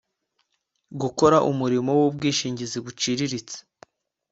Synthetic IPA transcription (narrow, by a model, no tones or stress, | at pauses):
ɡuko̞ɾaʔumuɾimo̞wub̚ɡiːʃiːɲɟiziβut͡ʃiɾiɾit͡se̥